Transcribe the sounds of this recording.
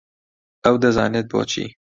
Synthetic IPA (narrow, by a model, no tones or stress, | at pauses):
ɛwd̪ɐzɑ̰ːnet̪̚bo̰ːt͡ʃʰḭː